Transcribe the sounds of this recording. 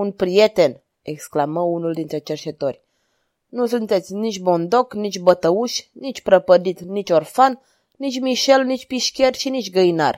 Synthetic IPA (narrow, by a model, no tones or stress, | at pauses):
unpɾijet̪en | eksklaməunuld̪int̪ɾe̞t͡ʃert͡ʃet̪orʲ | nusunt̪et̪sʲnit͡ʃʲbond̪oknit͡ʃʲbət̪əuʃʲnit͡ʃʲpɾəpəd̪it̪nit͡ʃʲorfan | nit͡ʃʲmiʃelnit͡ʃʲpiʃkʲerʲʃinit͡ʃʲɡəina̰r